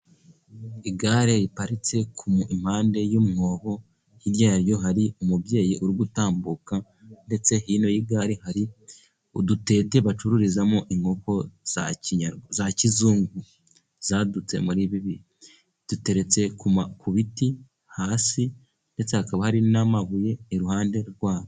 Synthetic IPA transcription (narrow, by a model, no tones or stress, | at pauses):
iɡaːɾeɾipaɾit͡se̞kʰumuim̥haːnde̞jumŋo̞ːho̞ | jiɾjaːɾjo̞ɦaɾiumubje̞ːjiʔuɾuɡutaːmbuka | nde̞t͡se̞ɦiːno̞jiɡaːɾehaɾi | udute̞te̞βat͡ʃuɾuɾizamoʔiŋɡoko̞z̥a̰ciɲaɾɡzacizuːŋɡu | z̥aːdut͡se̞̰muɾiːβiβi | d̥ute̞ɾe̞t͡se̞kumakʰuβiti | haːsi | nde̞t͡se̞hakaβahaɾinamaβuje̞ːɾuhaːnde̞ɾɡwaːβo